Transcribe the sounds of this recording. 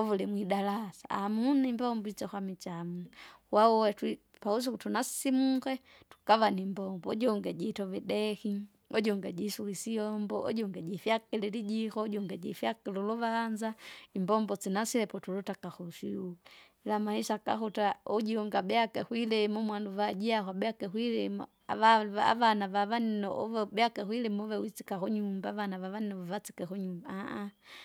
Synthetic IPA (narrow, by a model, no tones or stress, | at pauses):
ɔvulɛmwidalasa̰amunimbɔmbuit͡ʃɛxwamit͡ʃamuwauwɛti | paus̬ukutunassimukɛ | tu̥kavanimbɔmbɔɔɟɔŋɡɛɟitɔvɛdɛhi | ɔɟɔŋɡɛɟisukisiɔmbɔʔɔ̰ɟɔŋɡɛɟifjakɛlɛliɟixɔɟɔŋɡɛɟifjakɛluluvand͡ʒaimbɔmbɔt͡sinasilɛpɔtulutakaxuʃiul | lamahiʃaka̰xutauɟuŋɡabɛakɛxwilɛmumwanduβad͡ʒiaxwabɛakɛxwilɛmu | a̰aa̰ʋanaʋaβaninɔbɛakɛxwilɛmuβɛwit͡si̥kaxuɲumbaːβanaʋaβaninɔβaβat͡si̥kɛxuɲumbaaʔa